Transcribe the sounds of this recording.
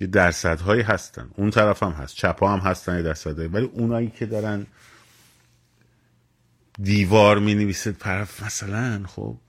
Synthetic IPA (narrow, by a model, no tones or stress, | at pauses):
jed̪æɾsæd̪ɦɒːjiɦæst̪æ̰nd̪unt̪ʰæɾæfæmɦæ̰st̪̚t͡ʃʰæpʰɒːhæmɦæst̪ænjed̪æɾsæd̪hɒːjivæliːʔunɒːjiːcʰe̞d̪ɒːɾæn | d̪iːvɒːɾmineviːsed̪̥̚pʰæɾfmæsælænxo̰ːb̥̚